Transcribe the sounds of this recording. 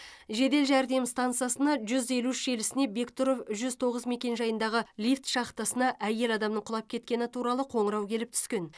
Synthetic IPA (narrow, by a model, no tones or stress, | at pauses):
ʒe̞d̪e̞lʒæɾd̪e̞mst̪ant̪sɨjasənɑʒʏze̞luɪʃe̞lɪsɪne̞be̞kt̪oɾofʒʏzt̪ʰo̞ʁəzme̞kʲe̞nʒɑjənd̪ɑʁəlʲift̪ʃɑqt̪ɑsənɑʔæje̞lɑd̪ɑmnəɴqʰʊlˠɑp̚kʲʰe̞t̪̚kʲe̞nɪt̪ʰuɾɑlˠəqʰo̞ɴəɾɑwkʲʰe̞lɪp̚t̪ʰʏ̥skʲe̞n